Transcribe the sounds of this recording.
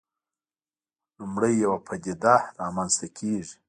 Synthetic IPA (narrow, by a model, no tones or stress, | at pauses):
lʊmɽəjːawapʰad̪ʲid̪ahɾɑmanzt̪akʰeʐi̥